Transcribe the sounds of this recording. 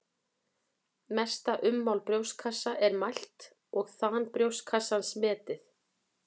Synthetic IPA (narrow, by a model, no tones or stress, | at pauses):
mɛst̪aʔʏmːawlpɾjowskʰasːaʔɛɾmajl̥t̪ | ɔɣθaːnpɾjowskʰasːansmɛːt̪ɪθ